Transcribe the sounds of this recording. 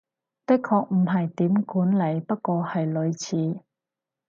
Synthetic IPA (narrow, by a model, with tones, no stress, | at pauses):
t̪ɪ˥kkʰːɔː˧k̚m̩˨˩ɦɐ˨jt̪iː˨˥mkuː˨˥nle˨˩jpɐ˥t̚kɔː˧hɐ˨jlɵ˨˧ɥt͡sʰiː˨˥